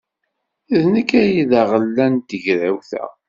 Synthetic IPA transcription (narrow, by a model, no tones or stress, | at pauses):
æðnəkːæjiðæʁəlːænt̪əʝɾæwθæ̰